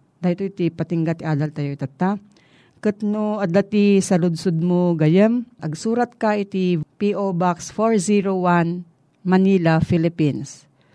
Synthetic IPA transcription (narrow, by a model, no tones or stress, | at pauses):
d̪ahit̪oit̪ipɐt̪ɪŋɡat̪iʔaːd̪ɐlt̪ɐjoit̪at̪ːa | kɨt̪noɐɡ̪lːat̪isɐlʊd̪̚sʊd̪̚moɡɐjɛmʔɐɡsuːɾɐt̪̚kaɪt̪ipiʔobaksfoɹsiɾowan | mɐniːlafilɪpins